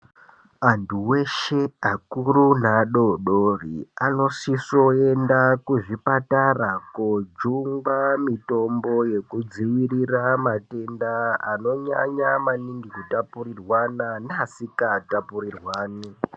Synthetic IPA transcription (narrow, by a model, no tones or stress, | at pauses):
antʰuwe̞ʃe̞akurunaɗo̞ɗoriano̞siso̞e̞ndakuʐipatarakod͡ʒuŋɡamito̞mbo̞je̞kud͡ziwiriramate̞ndaːno̞ɲa̰ɲamaniŋɡikutapurirwananasikatapuɾirwaːni